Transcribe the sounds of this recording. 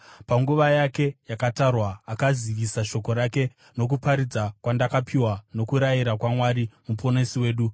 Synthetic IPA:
paŋɡuʋajake̞jakatarwaːkaziʋisaʃo̞ko̞ɾake̞ | no̞k̬upaɾid͡zakwandakapʰiwano̞kuɾajiɾakwamwaɾimupo̞nesiwe̞ːɗu

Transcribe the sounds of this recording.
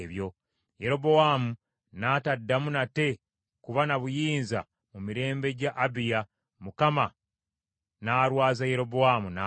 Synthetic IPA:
βjo̞ | je̞ɾo̞bo̞waːmu | naːtadːamunate̞ | kuβanaβujiːnza̰ | mumiɾe̞ːmbe̞ɟaʔːbija | mukama | naːɾwaːzaje̞ɾo̞bowamuna

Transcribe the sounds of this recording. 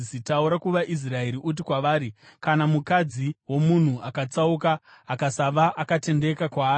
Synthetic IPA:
sitauɾakuʋaʔis̬rae̞ɾiʔut̬ikwaʋaːɾikanamukad͡ziwo̞mun̤uʔakat͡saukaː | kasaʋaʔakate̞nde̞kakwaː

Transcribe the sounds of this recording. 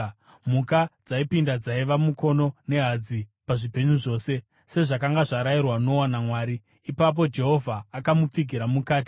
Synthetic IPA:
mukad͡zaipindad͡zaiʋamuko̞no̞ne̞ɦad͡zipaʐipe̞ɲuʐo̞ːse̞ | se̞ʐakaŋɡaʐaɾairwano̞wanamwaːɾiː | pap̬o̞d͡ʒe̞ɦo̞vʱaːkamup͡fiɡʱiɾamukaːt̬i̥

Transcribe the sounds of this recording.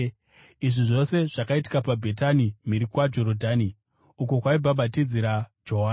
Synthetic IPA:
iʐiʐo̞se̞ʐakaiti̥kapabʱetanimiɾikwad͡ʒo̞ɾodʱani | uko̞kwaibʱaɓatid͡ziɾad͡ʒoɦaː

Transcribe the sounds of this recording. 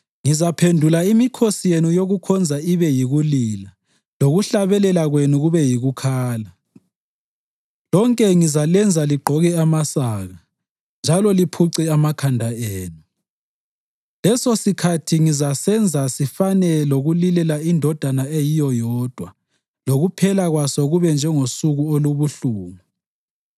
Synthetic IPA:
ŋizapʰendʱulaimikʰosijenujoɣukʰɔnd͡zʱaiβɛjiɣulila | loɣuɬaβɛlɛlaɣwenuɣuβɛjiɣukʰaːla | lɔŋkʼɛŋizalɛnd͡zʱaliɡ͡ǃʱɔɣɛamasaːɣa | nd͡ʒʱalɔlipʰuǀiamakʰandʱaeːnu | lɛsosikʰatʰiŋizasɛnd͡zʱasifanɛloɣulilɛlaindʱɔd̥ʱanaejijɔjɔːd̥ʱwa | loɣupʰɛlaɣwasɔɣuβɛnd͡ʒʱɛŋosuɣuoluβuɬuːmu

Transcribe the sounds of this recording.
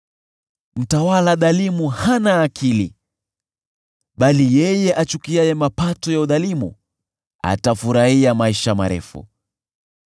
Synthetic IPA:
m̩tawalaðalimuhanaːkʰili | ɓalijɛjɛʔat͡ʃukiajɛmapatɔjauðalimṵ | a̰tafuɾahiamaiʃama̰ɾɛ̰fṵ

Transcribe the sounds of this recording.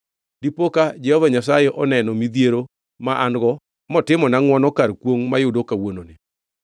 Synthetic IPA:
dipokad͡ʒɛhɔvaɲasajɛʔɔnɛnɔmid̪jeɾo | maʔanɡɔ | mɔtɪmɔnaŋwɔnɔkaɾkwoŋmajʊdokawononɪ

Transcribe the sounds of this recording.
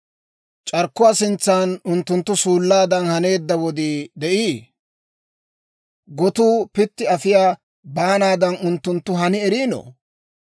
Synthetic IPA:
t͡ʃʼɐɾkːʊwaːsɪnt͡sːaːnʊnt̪ːʊnt̪ːʊsuːlːaːd̪ɐnhɐne̞ːd̪ːɐwɔd̪iːd̪ɛʔiː | ɡɔt̪uːpɪt̪ːɪɐfɪjaː | baːnaːd̪ɐnʊnt̪ːʊnt̪ːʊɦɐnɪɛɾiːnɔ̰

